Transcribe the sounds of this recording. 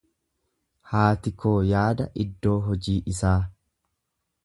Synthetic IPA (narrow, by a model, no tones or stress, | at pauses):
haːt̪ɪkʰoːjaːd̪ɐʔɪd̪ːo̞ːɦɔd͡ʒiːʔɪsaː